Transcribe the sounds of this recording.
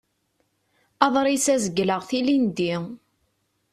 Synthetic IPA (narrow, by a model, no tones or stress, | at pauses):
ɑðˤɾˤisæzəɡːləʁθilind̪i